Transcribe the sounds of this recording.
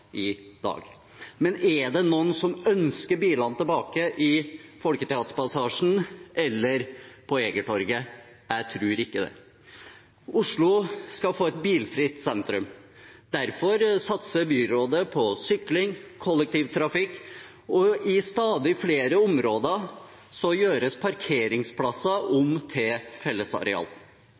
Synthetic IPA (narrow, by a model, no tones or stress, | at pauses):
ɪd̪ɑ̰ːɡ | mɛnæɖɛnuːnsɔmœnskəɾbiːlɑnt̪ɛlbɑːkəʔɪfɔlkət̪ʰɛɑːt̪əpɑsɑːʂn̩ʔɛlːəɾpʰɔeːɡəʈʰɔɾɡə | æɪt̪ʰɾʉːɾɪkːəd̪ɛ̰ | ʊʂɭʊskɑfoːɛt̪biːlfɾɪt̪sɛnt̪ɾʉmd̪̥æɾfɔɾsɑt̪səbyːɾoːd̪əpʰɔsʏklɪŋkʰɔlːɛk̚t̪iːʋt̪ʰɾɑfɪkː | ɔɪst̪ɑːd̪ɪfleːɾəʊmɾoːd̪ə | sɔjøːɾəspʰɑɾkʰeːɾɪŋspʰlɑsɑʔʊmt̪ʰefɛlːəsɑ̰ɾɛ̰ɑ̰ːl